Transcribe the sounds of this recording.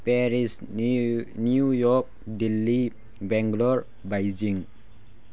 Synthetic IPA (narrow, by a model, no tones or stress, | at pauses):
pɛɾis | niujɔk̚dilːi | bɛŋɡlɔɹ | bajd͡ʒiŋ